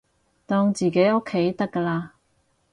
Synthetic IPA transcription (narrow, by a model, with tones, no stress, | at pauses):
t̪ɔː˧ŋt͡siː˨ke˨˥jo˥kʰːe˨˥jt̪ɐ˥kːəː˧laː˧